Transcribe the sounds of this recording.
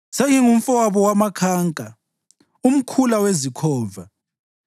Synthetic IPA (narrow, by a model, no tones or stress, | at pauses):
seŋiŋum̩fɔwaβɔwamakʰaːŋkʼa | um̩kʰulawezikʰɔːva